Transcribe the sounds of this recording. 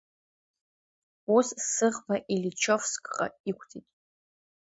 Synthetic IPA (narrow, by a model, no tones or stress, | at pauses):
ussɨʁbaʔilit͡ʃʰofskʼqʼa̰ikʷʰtʰitʼ